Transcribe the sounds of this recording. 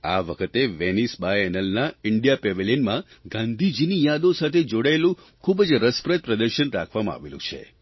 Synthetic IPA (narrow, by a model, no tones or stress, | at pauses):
a̰ʋəkʰət̪eʋenisbajɛnəlnaɪɳɖijapeʋelinmã | ɡãnd̪ʱid͡ʒinijad̪osat̪ʰed͡ʒoɽaelũ | kʰubd͡ʒɾəspɾət̪̚pɾəd̪əɾʃənɾakʰʋamãa̰ʋelṵ̃t͡ʃʰḛ